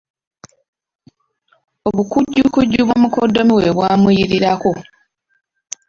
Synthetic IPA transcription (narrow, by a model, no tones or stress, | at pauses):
oβukuɟːukuɟːuβwomukodːo̞miweβwaːmujiɾiɾako̞